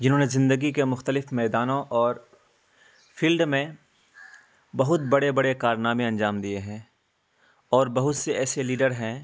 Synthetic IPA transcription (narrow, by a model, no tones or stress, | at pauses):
d͡ʒɪnɦõːnezɪ̃nd̪əɡikemʊxt̪əlɪfmɛːd̪aːnõʔɔːɾ | fʰiːlɖmẽ | bɐɦʊt̪̚bɐɽebɐɽekaːɾnaːmẽɐ̃ɲd͡ʒaːmd̪ieɦɛ̃ː | ɔːɾbɐɦʊt̪seɛːseliːɖəɾɦɛ̃ː